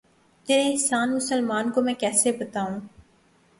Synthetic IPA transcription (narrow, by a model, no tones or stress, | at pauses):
t̪eːɾeɪɦsaːnmʊsəlmaːnkomɛ̃ːkɛːsebət̪aːũː